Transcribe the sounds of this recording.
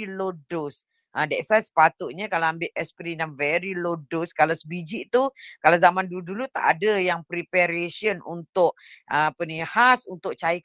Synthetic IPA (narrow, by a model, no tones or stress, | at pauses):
ilodos | ʔədɛʔsasə̥pat̪ʊʔ̪̚ɲakalawambɪʔɛspɾidanvɛɾilodoskalasəbid͡ʒiʔt̪ukalawzamãndudulut̪a̰ʔadəjaŋpɾipɛɾesiənṵnt̪ʊʔ | ʔəapənĩhasunt̪ʊk̚t͡ʃaj